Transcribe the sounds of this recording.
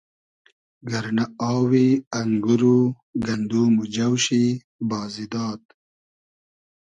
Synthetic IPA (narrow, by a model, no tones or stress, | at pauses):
ɡɐɾnaɑːwiɐŋɡuɾu | ɡɐnd̪uːmud͡ʒɐwɕi | bɑːzid̪ɑːt̪̚